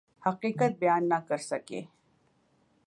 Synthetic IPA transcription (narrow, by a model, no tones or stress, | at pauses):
hɐqiːqət̪̚bɪjaːnːɐkɐɾsɐkḛː